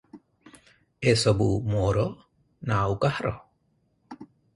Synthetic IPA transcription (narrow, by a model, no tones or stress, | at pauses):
esɔbumɔɾɔ | nawkahɾɔ